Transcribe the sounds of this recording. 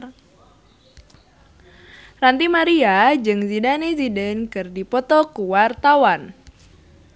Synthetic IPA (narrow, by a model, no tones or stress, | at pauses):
rant̪imaɾiad͡ʒɨŋzidanesidɛnkɨrdipɔt̪ɔkuwart̪awan